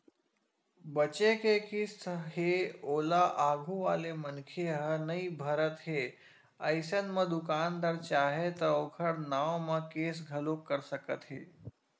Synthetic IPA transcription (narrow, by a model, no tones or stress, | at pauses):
bət͡ʃekekist̪ʰɦeoːlaʔaːɡʱũʋaːlemənkʰeɦənəibʱəɾət̪ɦeː | əɪsənmə̃d̪ʊkaːnd̪əɾt͡ʃaːɦet̪ɐokʰəɽnaːwmãkeːs̬ɡʱɐlokːəɾsəkət̪ɦeː